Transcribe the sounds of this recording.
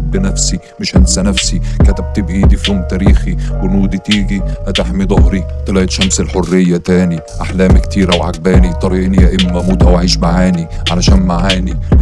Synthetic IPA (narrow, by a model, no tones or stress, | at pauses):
bɪnæfsi | mɪʃʔænsænæfsikæt̪æb̚t̪ɪbʔid̪ifoːmt̪æːɾiːxiwɪnuːd̪it̪iːɡihæt̪ɪħmid̪ˤohɾit̪ɨlæʔt̪ʃæmselħorːɪjːæt̪æːni | ʔaħlæːmkt̪iːɾæwʕa̰ɡ̚bæːnit̪ˤɑɾˤiʔɪnijæʔɪmːæmuːt̪ʔæwaʕiːʃmaʕaːniʕalæʃæːnmaʕaːni